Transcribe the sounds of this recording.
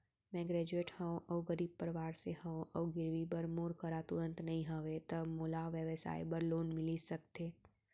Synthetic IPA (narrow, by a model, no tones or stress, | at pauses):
mɛ̃ɡɾɛːd͡ʒueːʈhə̃õʔɔwɡəɾiːb̚pəɾʋaːɾseɦə̃õʔɔːɡɪɾʋibəɾmoːɾkəɾat̪ʊɾə̃nt̪nəɦĩɦəʋet̪əmolaʋjəʋəsa̰ːibəɾloːnmɪlisəkt̪eː